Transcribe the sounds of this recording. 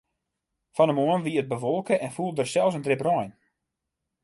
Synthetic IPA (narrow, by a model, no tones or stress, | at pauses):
fɔnəmoənʋiət̚bəʋɔlˠkəʔɛnfulˠdərsɛlˠs̬əndrɪprɔjn